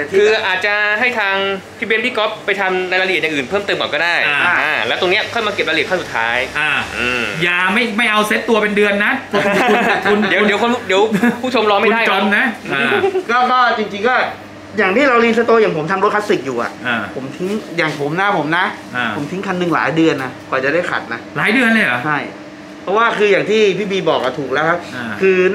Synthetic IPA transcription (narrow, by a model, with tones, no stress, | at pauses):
kkʰɯː˧ʔaː˨˩t̪̚t͡ɕa˨˩ɦa˥˩jt̪ʰaː˧ŋp̪ʰiː˧˥bi˧nbiː˥˩kɔ˦˥pːa˧jt̪ʰa˧mna˧jla˧ɾ̚ja˨˩ŋʔɯː˨˩npʰɤː˥˩mt̪ɤː˧mkɔː˨˩nkɔ˥˩daː˥˩jʰa˥˩aː˧˩lɛː˦˥wt̪o˧ŋni˦˥ɐkʰɔ˥˩jma˧ke˨˩p̚ɾa˧i˨˩t̚ʰːsu˨˩t̪ʰaː˦˥jʔaː˧˩ʔɯː˧˩jaː˨˧˩ma˥˩jma˥˩jʔa˧wse˦˥t̪ːu˧ɐpe˧ndɯ˧ənːa˦˥kʰu˧kʰu˧ndi˨˦˧ni˨˩˦ko˧˥˩u˥˩di˨˦wppʰuː˥˩o˧mɾɔː˧ma˥˩˧dan˥˩jt͡ɕo˧mna˦˥a˧˩kɔː˥˩kɔː˥˩t͡ɕi˧ŋt͡ɕi˧ŋkɔː˥˩ | jaː˨˩ŋt̪ʰiː˥˩ɾa˧wliː˧ns̬a˦˥t̪oː˧jaː˨˩ŋpʰo˩˦mt̪ʰa˧mɾo˦˥t̚ʰa˦˥t̪̚si˨˩k̚juː˨˩ʔa̰˨˩ʔa˧pʰo˩˦mt̪ʰi˦˥ŋjaː˨˩ŋpʰo˩˦mna˦˥pʰo˩˦mna˦˥˧ | o˩˦t̪i˦˥ŋkʰa˧nːɯ˨˩ŋla̰ː˩˦jdɯ˧ənʔa˨˩kɔː˨˩t͡ɕa˨˩da˥˩jkʰa̰˨˩t̪̚na˦˥laː˩˦jdɯ˧ənlɤ˧ja˩˦t͡ɕʰa˥˩j | pʰɔ˦˥waː˥˩kʰɯː˧jaː˨˩ŋt̪ʰiː˥˩pʰiː˥˩biː˧bɔː˨˩k̚a̰˨˩t̪ʰuː˨˩k̚lɛ˦˥wkʰa˦˥p̚ːkʰɯː˧